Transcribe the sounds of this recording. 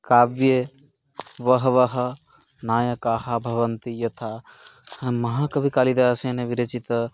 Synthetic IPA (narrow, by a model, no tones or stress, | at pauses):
kaːbje | ʋəɦʋəɦə | naːjəkaːhabʱɐʋənt̪ijɐt̪ʰa | mɐɦãkɐbʱikalid̪asenebiɾet͡ʃit̪